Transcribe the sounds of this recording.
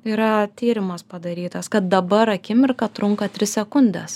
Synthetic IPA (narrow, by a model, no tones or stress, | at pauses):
iːɾɐt̪ʲiːɾʲɪmɐspɐd̪ɐɾʲiːt̪ɐskɐt̪̚d̪ɐbɐɾɐkʲɪmʲɪɾkɐt̪ɾʊŋkɐt̪ʲɾʲɪsʲsʲɛkʊnʲd̪ʲɛs